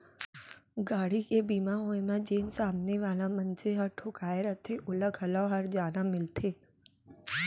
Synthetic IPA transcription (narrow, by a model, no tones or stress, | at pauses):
ɡaːɽ̤ikeːbiːmãɦoːẽmãd͡ʒeːnsaːmneʋaːlãmɐ̃nt͡ʃeɦəɾʈʰʊkaːeɾət̪ʰeʔʊləɡʱəlaɦəɾd͡ʒaːnãmɪlt̪ʰeː